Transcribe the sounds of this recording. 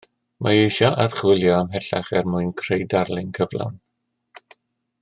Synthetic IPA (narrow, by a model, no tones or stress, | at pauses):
maejʃɔʔarχwɪlˠjɔamɦɛɬa̰χɛrmʊɨnkʰrejdarlˠɪnkʰəvlˠa̰n